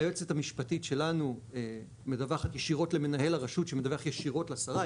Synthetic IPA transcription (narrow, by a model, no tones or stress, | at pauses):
jot͡setamiʃpatitʃe̞lanue | med̪avaχatjeʃiʁo̞tleme̞naɦe̞laʁaʃutʃemed̪avaχjeʃiʁo̞tleasaʁa